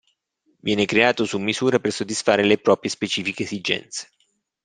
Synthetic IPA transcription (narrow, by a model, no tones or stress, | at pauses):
vjɛːnekɾeaːt̪osumːizuːɾapersod̪ːisfaːɾelepɾɔːpɾjespet͡ʃiːfikeːzid͡ʒɛ̰nt̪se̥